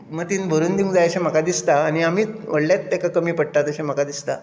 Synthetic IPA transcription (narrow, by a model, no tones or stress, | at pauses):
mət̪iːnbʱəɾuːnd̪iũŋɡd͡zajəɕẽm̤əkad̪ist̪aːñiamiːʋəɽljat̪ːekakəmiːpəɽ̚ʈ̪at̪əɕem̤əkad̪ist̪a̰